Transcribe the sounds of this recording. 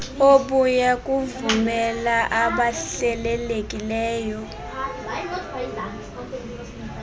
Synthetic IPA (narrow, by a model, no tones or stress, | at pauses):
oɓujakʼuvumɛlaʔaɓaɬɛlɛlekʼilɛːjɔ